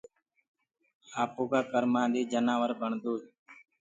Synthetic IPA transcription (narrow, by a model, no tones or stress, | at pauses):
aːpoːɡaːkəɾmãːd̪iːd͡ʒənaːʋəɾbʱəɳd̪oː